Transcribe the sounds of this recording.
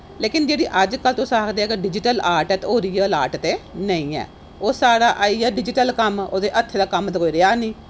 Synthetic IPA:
leːkɪnd͡ʒeːɽiːʔəd͡ʒkəlt̪õːsaːkd̪eːɛːkeɖɪd͡ʒɪʈəlaːɾʈɛːt̪ːoːɾiːɛːlaːʈt̪eːnəĩːɛ̰ː | oːsaːɽaːʔaːiːɛːɖɪd͡ʒɪʈəlkəmo̰ːd̪eːʔət̪ʰːeːd̪aːkəmt̪koːiːɾeaːnĩː

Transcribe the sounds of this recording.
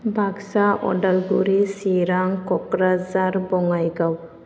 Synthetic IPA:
bʱaksaɔ̰dalɡuɾisiɾaŋkɔkɾazaɾbɔŋajɡaw

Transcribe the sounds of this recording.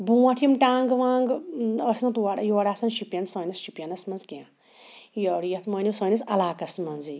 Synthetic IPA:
buwɐʈʰimʈaːŋɡʋãːŋɡɐsnɐt̪waɽjoːɽaːsɐnʃipjɐnsɐːnisʃipjɐnɐsmɐnzkiã | joɽjɐt̪mɐːniwsɐːnisɐlaːkɐsmɐnzi

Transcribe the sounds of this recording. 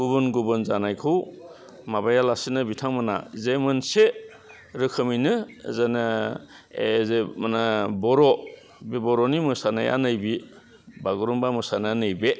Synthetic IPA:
ɡubɯnɡubɯnzanajkʰɯw | mabajalasinɯbitʰaŋmana̰zemɯnse | ɾɯkʰɯminɯzana | ezemanabɔɾɔ | bibɔɾɔnimɯsanaja̰nɯjbi | baɡuɾumbamɯsananɯjbe

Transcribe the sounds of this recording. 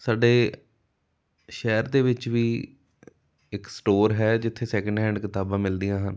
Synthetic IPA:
saːɖeː | ʃɛːɾd̪eːʋɪt͡ʃʋiː | ɪksʈoːɾɦɛːd͡ʒɪt̪ʰːeːsɛːkə̃ɳɖɦɛ̃ːɳɖkɪt̪aːbãːmɪld̪ijãːɦən

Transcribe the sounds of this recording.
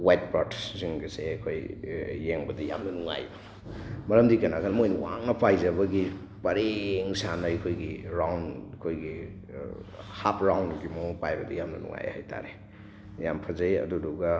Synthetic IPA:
wajt̚patssiŋɡɐseakʰojːeŋbɐdɐja̰mnɐnuŋa̰j | mɐɾɐmdikɐnaɡanɐmojniwa̰ŋnɐpajzɐβɐɡi | pɐɾeŋsanɐɐjkʰojɡiɾawnkʰojɡi | hap̚ɾawnɡimopajbɐdɐjamnɐ̰nṵŋa̰jha̰jtʰa̰ɾe | jampʰɐzɐjɐ̰duduɡɐ

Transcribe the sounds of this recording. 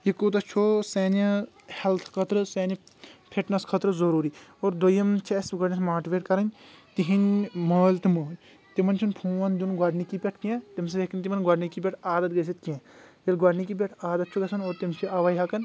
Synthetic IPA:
ikot̪̬ɐt͡ʃʰoːseːnɐ | hɛlt̪ʰkʰɐt̪ɾɨseːnipʰeʈnɐskʰɐt̪ɾɨzɐɾuːɾiːoːɾd̪ojɐmt͡ʃʰesɡwɐɖnismaːʈʋeːʈkɐɾɐnʲt̪iɦinməːlʲt̪iməːlʲ | t̪imɐnt͡ʃʰunpʰuːʋɐnd̪unɡwɐɖnikipʲeʈʰkẽt̪ims̬ɐekɐnʲt̪imɐnɡwɐɖnikipʲeʈʰaːd̪ɐt̪̚ɡɐs̬it̪̚kẽjilɡwɐɖnikip̬ʲeʈʰaːd̪ɐt̪̚t͡ʃʰuɡɐsɐnoːɾt̪imt͡ʃʰiʔɐʋɐjɦɐkɐn

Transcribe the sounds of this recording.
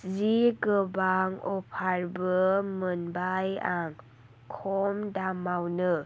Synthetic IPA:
ziɡɯbaŋɔpʰaɾbɯmənbajaŋ | kʰɔmdamawnɯ

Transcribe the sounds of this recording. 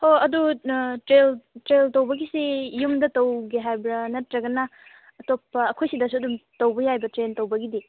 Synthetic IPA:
hoɐdutɾeltɾeltowbɐɡisijumdɐtɐwɡiɦajbɾɐnɐtɾɐɡɐnɐ | ɐtopːɐːkʰojsidɐsuɐdumtɐwbɐjajbɐtɾentɐwbɐɡidi

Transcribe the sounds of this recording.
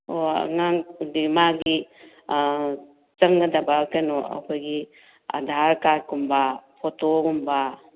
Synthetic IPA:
oa̰ŋaŋdimaɡi | t͡ʃɐŋɡɐdabakenoɐ̰kʰɔjɡi | a̰dʱaɾkaɾkumbapʰɔtokumba

